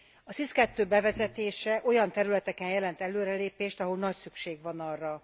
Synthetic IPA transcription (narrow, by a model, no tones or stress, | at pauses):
ɒsiskɛt̪ːøːbɛvɛzɛt̪eːʃɛʔo̞jɒnt̪ɛɾylɛt̪ɛkɛnjɛlɛnt̪ɛløːɾɛleːpeːʃt̪ɒɦolnɒcsykʃeːɡʋɒnɒrːɒ